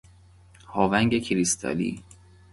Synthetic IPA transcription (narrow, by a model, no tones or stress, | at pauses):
hɒːvæŋɡekʰiɾist̪ʰæ̰lḭː